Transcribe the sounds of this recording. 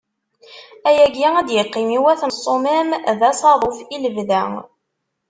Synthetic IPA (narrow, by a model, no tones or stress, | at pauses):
æjæɡæŋæd̪jəqːimiwæθnəsˤːomæmðæsˤɑɾˤofiləvðæ